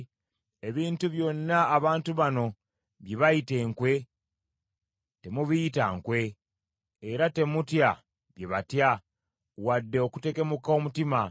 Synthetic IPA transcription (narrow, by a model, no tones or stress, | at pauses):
eβiːntuβjo̞nːaːβaːntuβano̞ | βjeβaite̞ːŋkwe̞ | te̞muβijitaŋkwe̞ː | ɾate̞mutja | βjeβatja | wadːe̞oku̥te̞ke̞mukaomutima